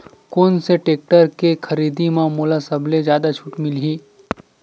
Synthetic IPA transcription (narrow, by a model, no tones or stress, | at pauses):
koːnseʈeːk̚ʈəɾkekʰɐɾiːd̪imãmoːlasɐbled͡ʒjaːd̪at͡ʃʰuʈmɪlɦiː